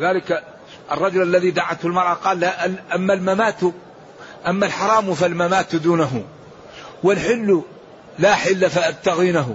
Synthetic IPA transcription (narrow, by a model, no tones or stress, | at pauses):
lɪðaːlɪk | ʔɑ̰rˤːɑd͡ʒʊlʔalːaðid̪aʕat̪hʊlmɑɾˤʔɑqɑːlːaʔʔamːalmamaːt̪ | ʔamːalħɑɾˤɑːmfalmamaːt̪d̪uːnaɦʊ | wɪnħɪlːʊ | laħɪlːafaʔab̚t̪aɣiːnaɦʊ